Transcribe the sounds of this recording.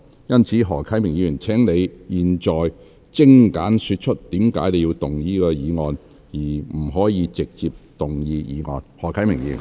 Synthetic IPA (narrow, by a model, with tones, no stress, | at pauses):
jɐ˥nt͡sʰiː˨˥ɦɔː˨˩kʰɐ˨˥jmɪ˨˩ŋjiː˧jyː˨˩nt͡sʰɛː˨˥ŋne˨˧jjiː˨nt͡ʃɔː˨j | t͡sɪ˥ŋkaː˨˥nsyː˧t̚t͡ʃʰɵ˥t̚t̪iː˨˥mkaː˨˥jne˨ji˧wt̪ʊ˨˩ŋjiː˥kɔː˧jiː˨˧ŋɔː˨˧n | jiː˨˩m̩˨˩ɦɔː˨˥jiː˨˧t͡sɪ˨k̚t͡siː˨p̚t̪ʊ˨ŋjiː˧jiː˨˧ŋɔ̰ː˧nhɔː˨˩kʰɐ˨˥jmɪ˨˩ŋjḭː˧y˨